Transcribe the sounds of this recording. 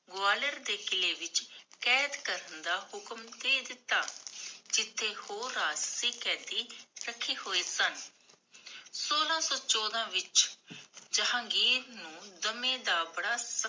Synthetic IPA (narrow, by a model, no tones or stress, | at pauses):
ɡoaːləɾd̪eːkɪleːʋɪt͡ʃkɛːd̪kəɾənd̪aːhʊkəmd̪eːd̪ɪt̪ːaːd͡ʒɪt̪ʰːeːhoːɾaːssiːkɛːd̪iːɾəkʰːiːhoːeːsən | soːlãːsɔːt͡ʃɔːd̪ãːʋɪt͡ʃ | d͡ʒəɦãːɡiːɾnũːd̪əmẽːd̪aːbəɽaːsə